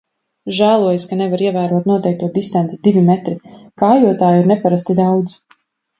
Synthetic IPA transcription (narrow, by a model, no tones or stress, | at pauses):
ʒæːlˠuɔjaskanɛvaɾiɛvæːɾuɔt̪̚nuɔt̪ɛjk̚t̪uɔd̪ist̪ant̪sid̪ivimɛt̪ɾikaːjuɔt̪aːjiɾnɛpaɾast̪id̪awd̪z